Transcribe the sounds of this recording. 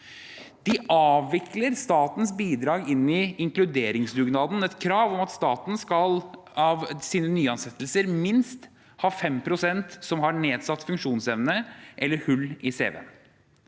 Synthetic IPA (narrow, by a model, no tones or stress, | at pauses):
d̪̥ɪʔɑːʋːɪkləɾst̪ɑːt̪nsbiːd̪ɾɑːɡɪnːɪɪŋklʉd̪eːɾɪŋsd̪ʉɡnɑːd̪n̩ɛt̪kʰɾɑːʋɔmɑt̪st̪ɑːt̪n̩skɑl | ɑʋsiːnənyːɑnsɛt̪ːəlsəɾmɪnst̪ | hɑːfɛmpʰɾʊsɛnt̪sɔmɦɑɳeːd̪sɑt̪ːfʉŋkʂuːnsɛʋnəʔɛlːəɾhʉlːɪsḛːʋɛ̰n